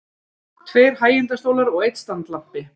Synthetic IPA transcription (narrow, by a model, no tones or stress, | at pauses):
t̪ʰveːɾhaːjɪnt̪ast̪owlaɾɔɣejt̪st̪ant̪lam̥pɪ